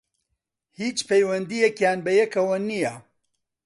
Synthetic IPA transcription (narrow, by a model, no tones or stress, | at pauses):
hiːt͡ʃpʰejwɐnd̪ijɛkjaːnbɐjɛkɐwɐnijɐ